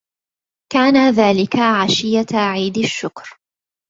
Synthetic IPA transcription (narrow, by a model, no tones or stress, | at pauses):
kaːnaðaːlɪkaʕaʃɪjaʕiːd̪aʃːʊkɾ